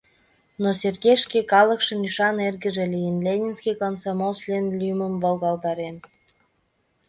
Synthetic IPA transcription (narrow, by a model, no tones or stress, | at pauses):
noserɣeʃkekɑləkʃə̆nyʃɑnerɣə̆ʒelijənlʲenʲinskijkonsɑmolslʲenlʲyməmvolɣɑld̪ɑɾen